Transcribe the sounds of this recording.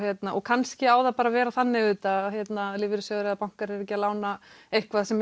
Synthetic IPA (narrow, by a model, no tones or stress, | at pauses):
hjɛt̪naʔɔɣkʰanscɪaːwðapaːɾavɛːɾaθanːɪʏːt̪açjɛt̪nalɪːvɪɾɪsjœɣɾaðapawŋ̥kaɾɛɾɛc̬ɪalaːwnaejhkvaðsɛm